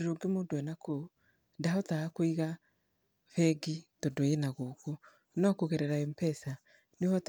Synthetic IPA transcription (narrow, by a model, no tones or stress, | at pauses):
ɾoɡemodwɛnako | daɦɔtaːkwiɣa | βɛɡitodoenaɣoko | nɔkoɣeɾɛɾaɛmpɛsa | neβɔt